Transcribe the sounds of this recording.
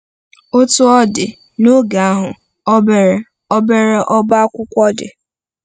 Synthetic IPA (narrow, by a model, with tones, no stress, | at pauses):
o˦tʊ˦ɔ˦dɪ˨ | no˦ɡa˨a˦ɦʊ˨ | ɔ˦be˨ɾe˨ | ɔ˦be˦ɾe˦ʔɔ˦ba˦kʷʊ˦kʷɔ˦dɪ̰˨